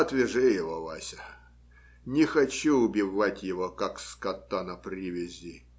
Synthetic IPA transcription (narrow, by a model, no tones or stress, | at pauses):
ɐt̪vʲɪʐɨjɪvolˠa̰sʲə | nʲɪxɐt͡ɕuʊbʲɪvatʲjɪvokakskɐt̪ːanɐpɾʲɪvʲɪzʲi